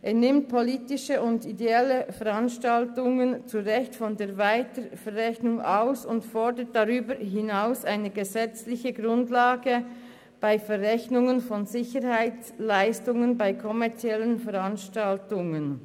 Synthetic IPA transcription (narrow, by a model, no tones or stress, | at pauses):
ʔeːɐnɪmt̚pʰɔliːtɪʃəʊndideɛləfɛʁanʃtaltʊŋənt͡suʁɛçtfɔndeːɐvaɪtəfɛʁːɛçnʊŋaʊsʊntfɔɹdət̚d̥aʁyːbəɾɦɪnaʊsaɪnəɡəzɛt͡slɪçəɡʁʊndlaːɡə | b̥aɪfɛʁɛçnʊŋənfɔnzɪçəɾhaɪt͡slaɪstʊŋənbaɪkʰɔmɛɐt͡sjɛlənfɛʁanʃtaltʊŋən